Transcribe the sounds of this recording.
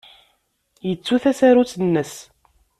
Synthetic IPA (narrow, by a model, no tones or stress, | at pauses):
jət͡sːuθæsæɾut͡sːənːəs